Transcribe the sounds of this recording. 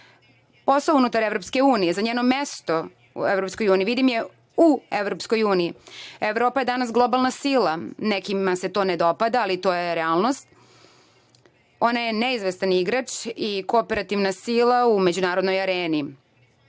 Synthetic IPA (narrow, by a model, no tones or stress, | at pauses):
po̞saunut̪aɾeʋɾo̞pske̞uːnije̞zaɲeːno̞mest̪o̞ | ṵevɾo̞psko̞juːniʋid̪imje̞ | ueʋɾopsko̞juːniieʋɾo̞ːpajed̪anasɡlˠobalˠnasiːlˠanekimase̞t̪o̞ːned̪o̞pad̪aːlit̪o̞ːjeɾeaːlˠno̞st̪ | o̞naje̞neizʋest̪aniɡɾat͡ʃikoope̞ɾat̪iʋnasiːlˠaume̞d͡ʑunaːɾod̪nojaɾeːni